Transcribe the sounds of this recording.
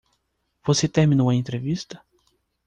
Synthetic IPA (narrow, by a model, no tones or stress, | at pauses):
voset̪eɾmĩnomɐẽnt̪ɾevist̪ɐ̥